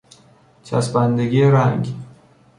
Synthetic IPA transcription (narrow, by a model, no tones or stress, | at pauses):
t͡ʃʰæ̰sbænd̪eɡiːeɾæŋɡ